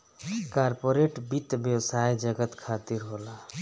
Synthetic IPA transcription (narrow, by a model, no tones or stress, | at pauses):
kaɾpoɾeʈbit̪bjəwsajd͡ʒəɡət̪kʰat̪iɾɦola